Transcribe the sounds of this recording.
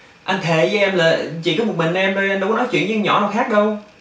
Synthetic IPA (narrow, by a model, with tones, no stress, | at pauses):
ʔa˧nt̪ʰe˧˩˨t͡ɕʔɛ˧mlaː˨˩t͡ɕi˧˨˩kɔː˨˦m˨˩t̚mï˨˩ŋ̟˧ʔɛ˧mɗə˧jʔnɗə˧wkɔ˨˦nɔ˨˦t͡ɕwḭ˧˨əzə˧ŋɲɔ̰˧˩˦naː˨˩wxaː˦˥k̚ɗə˧w